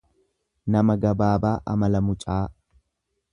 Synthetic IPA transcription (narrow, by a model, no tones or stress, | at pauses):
nɐmɐɡɐbaːbaːʔɐ̰mɐlɐmʊt͡ʃʼaː